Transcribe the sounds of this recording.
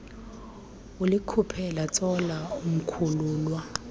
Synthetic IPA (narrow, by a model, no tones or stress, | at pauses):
ulikʰupʰɛlat͡sʼɔlaum̩kʰuluːlwa